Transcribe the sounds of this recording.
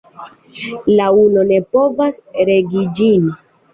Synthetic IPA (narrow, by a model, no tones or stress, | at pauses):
launo̞ne̞po̞vasɾe̞ɡid͡ʒin